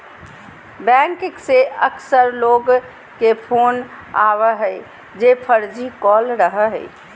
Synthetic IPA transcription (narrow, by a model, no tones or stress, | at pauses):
bɛŋkekseəksəɾloɡ | kepʰon | a̰ʋəɦəɪ | d͡ʒepʰəɾd͡ʒikɔlɾəɦəɦə̰i